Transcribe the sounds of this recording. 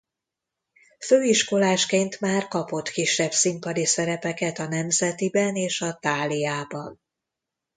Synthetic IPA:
føːiʃko̞laːʃkeːnt̪maːrkɒpo̞t̪kiʃːɛbsimpɒd̪isɛɾɛpɛkɛt̪ɒnɛmzɛt̪ibɛneːʃɒt̪aːlijaːbɒn

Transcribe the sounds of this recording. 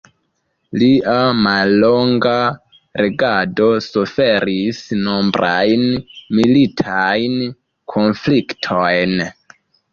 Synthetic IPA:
liʔamalːo̞ŋɡa | ɾe̞ɡado̞sufe̞ɾisnombɾʔajnmilitʰajn | kʰo̞nfliktʰojn

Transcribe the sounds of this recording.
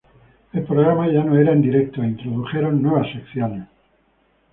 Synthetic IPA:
elpɾoɣ̞ɾamaʝanoeɾaend̪iɾek̚t̪oint̪ɾoðuxe̞ɾonːwe̞β̞asekθjone

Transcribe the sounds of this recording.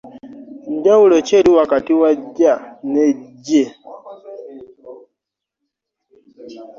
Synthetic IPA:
ɲdaulɔt͡ʃɛliwakatiwaɟanɛɟɛ

